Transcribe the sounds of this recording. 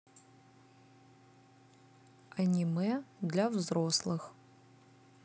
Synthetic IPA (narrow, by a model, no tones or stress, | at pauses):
anʲimɨd̪lʲavzroslˠɨx